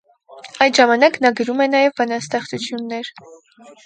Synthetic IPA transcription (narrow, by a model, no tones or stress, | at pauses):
ɑjd̪ʒɑmɑnɑknɑɡəɾumɛnɑjɛvbɑnɑst̪ɛχt͡sut͡sʰjunːɛɾ